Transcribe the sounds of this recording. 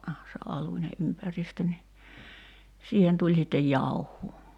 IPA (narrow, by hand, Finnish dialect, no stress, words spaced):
se ʔɑlunʲe ʔympæristø ni siːhen tulʲ sitːej jɑuhˑuː